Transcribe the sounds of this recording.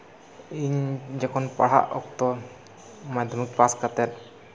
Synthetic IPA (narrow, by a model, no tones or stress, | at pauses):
iɲd͡ʒɛkʰɔnpa̰ɽ̤a̰ʔɔ̰kt̪ɔ | mad̪ʱɔmik̚paskat̪ɛɾ̚